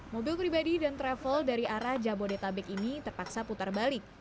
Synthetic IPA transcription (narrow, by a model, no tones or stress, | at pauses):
mobilpɾibadidant̪ɾɛfəldaɾiaɾahd͡ʒabodet̪abɛkinit̪ərpaksaput̪arbalɪk̚